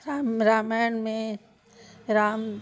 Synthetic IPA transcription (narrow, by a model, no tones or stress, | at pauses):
ɾaːmɛːnmẽ | ɾaːm